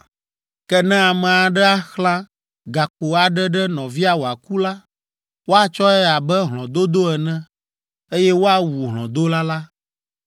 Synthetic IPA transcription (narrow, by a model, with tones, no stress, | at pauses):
kɛ˦nɛ̃˦a˨mɛ̃˨a˨ɖɛ˦a˦xlã˦ | ɡa˨k͡po˨a˨ɖɛ˦ɖɛ˦nɔ̃˨vi˦a˨wo˨a˨ku˦la˦ | wo˦a˦t͡ʃɔ˦ɛ˦a˨bɛ˦ɦlɔ̃˨d̪o˦d̪o˦ɛ˨nɛ̃˦ | e˦jɛ˦wo˦a˦wu˨ɦlɔ̰̃˨d̪o˦la˦la˦